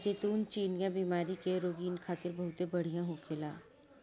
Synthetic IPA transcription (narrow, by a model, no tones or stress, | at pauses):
d͡ʒeːt̪uːnt͡ʃiːnijãbiːmaːɾikeɾoːɡiːnkʰaːt̪ɪɾbɐɦʊt̪ebɐɽ̤ijãɦʊ̃kʰeːlaː